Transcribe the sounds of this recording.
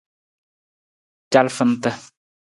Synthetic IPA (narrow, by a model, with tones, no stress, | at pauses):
t͡ʃa˦lfə˦n̩˦tə˦